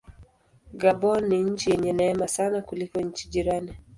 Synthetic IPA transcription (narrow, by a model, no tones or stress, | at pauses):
ɡabɔniɲ̩t͡ʃijɛɲɛnaɛmasanakulikɔɲ̩t͡ʃiʄiɾani